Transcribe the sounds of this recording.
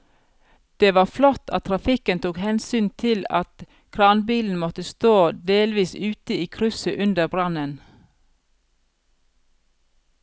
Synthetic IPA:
d̪̥eːʋɑːflɔt̪ʰɑt̪t̪ʰɾɑfɪkənt̪ʰuːkhɛnsyːnt̪ʰɪlɑ̰t̪ | kʰɾɑnbiːln̩mɔt̪əst̪oːd̪eːlʋiːsʉːt̪əiːkʰɾʉsəʔʉnd̪əbɾɑnən

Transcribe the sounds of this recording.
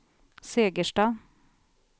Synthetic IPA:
seːɡəʃʈɑː

